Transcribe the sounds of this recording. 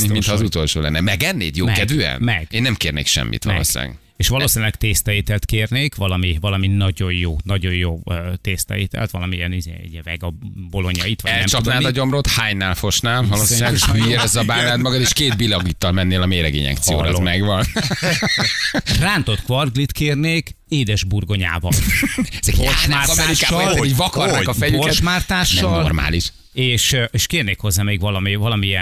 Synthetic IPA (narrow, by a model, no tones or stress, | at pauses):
mint̪hɒːzut̪o̞lʃo̰ːlɛ̰nːɛmɛɡɛnːḛːd̪joːmɛkɛd̪vøːɛ̰nmɛɡeːnːɛmkeːrnḛːkʃɛ̰mːḭt̪ʋɔ̰lo̰ːʃa̰ːɡ | eːʃʋɒloːsinilɛkt̪eːst̪ɛjeːt̪ɛlt̪keːrneːkʋɒlɒmiʋɒlɒminɒɟo̞jjoːnɒɟo̞jjoːøːt̪eːst̪ɛ̰eːt̪ɛ̰lt̪ʋɒlɒmijɛnizḛːjɛvɛɡɒbo̞lo̞ɲɒit̪ʋɒɛnlɛmt͡ʃɒup̪naːid̪ɒɟo̞mrot̪haːɲnaːlfo̞ʃnaːlvɒlosiilːbyeɾɛzːɒbaːlːaːnmɒɡɒd̪eʃkeːd̪̚bilɒɡit̪ːɒlmɛnːeːlɒmeːɾɛɡḛːɲɛ̰kt̪sijo̰ːɾɔ̰zmɛɡʋɒn | raːnt̪o̞t̪kʋɒrɡlit̪keːrneːk | eːd̪ɛʒburɡo̞ɲa̰ːvɒ̰lɛzɛkamaːrt̪ɛːɾiʃkaːɒlɛivɒkɒrɛkɒfɛjyokɛt̪maːrt̪aːʃnɛɒlo̰rma̰ːliʃ | eːʃeːʃkeːrneːkho̞zːaːmeːɡʋɒlɒmivɒlɒmiɛ